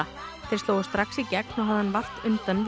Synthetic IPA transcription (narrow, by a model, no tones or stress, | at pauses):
a | t̪ʰɪlst̪oːwʏst̪ɾaksicɛknɔwɦaðɪhanvar̥t̪ʏnt̪anv